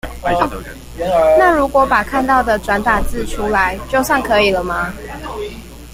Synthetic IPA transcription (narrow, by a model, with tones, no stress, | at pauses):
na˥˨ɻu˨˦˥kwɔ˨˦pa˨˩kʰa˥˧nt̪ɑ˥˩ʊd̪ə˨˩ʈ͡ʂwa˧˥nt̪a˨˩nt͡sɹ̩˥˨ʈ͡ʂʰu˦la˨˦ɪt͡ɕjo˥˧ʊsa˥˩ŋkʰɤ˧˦i˨˩lə˦ma˨